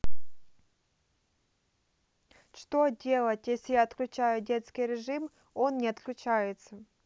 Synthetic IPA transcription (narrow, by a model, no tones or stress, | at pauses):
ʂt̪odʲe̞lˠətʲjesʲɪjaɐt̪klʲʊt͡ɕæjʊdʲe̞t̪skʲɪjɾʲɪʐɨm | o̞nːʲɪɐt̪klʲʊt͡ɕajɪt̪sə